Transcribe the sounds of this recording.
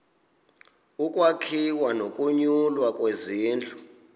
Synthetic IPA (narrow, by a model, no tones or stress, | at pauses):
ukʼwakʰiwanokʼuɲulwakʼweziːnd͡ɮʱu